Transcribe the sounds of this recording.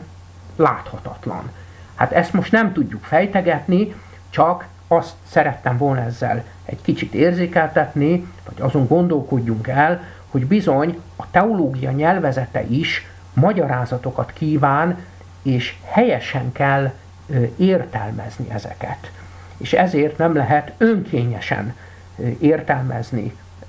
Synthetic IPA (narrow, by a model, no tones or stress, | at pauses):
laːt̪hɒt̪ɒt̪lɒ̰n | ha̰ːt̪ɛst̪mo̞ʃt̪nɛmt̪uɟːukfɛjt̪ɛɡɛt̪ni | t͡ʃɒk | ɒst̪sɛɾɛt̪ːɛmvo̞lnɒɛzːɛ̰l | ɛ̰ɟkit͡ʃit̪eːrzeːkɛlt̪ɛt̪nivɒɟɒzo̞ŋɡo̞nd̪o̞lko̞ɟːuŋkɛl | ho̞ɟbizo̞ɲ | ɒt̪ɛoloːɡijɒɲɛlvɛzɛt̪ɛ̰ʔiʃ | mɒɟɒɾaːzɒt̪o̞kɒt̪kiːvaːn | eːʃhɛjɛʃɛŋkɛlː | eːrt̪ɛ̰lmɛ̰znḭʔɛzɛ̰kɛ̰t̪ | eːʃɛzeːrt̪nɛmlɛɦɛt̪øŋkʰeːɲɛ̰ʃɛ̰n | eːrt̪ɛlmɛ̰znḭ